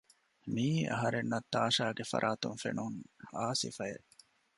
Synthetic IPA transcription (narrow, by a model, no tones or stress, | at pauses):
miːɐ̰ɦɐɾenːɐt̪ːaːʃaːɡefɐ̰ɾʔaːt̪uŋfenuŋaːsḭfɐjḛ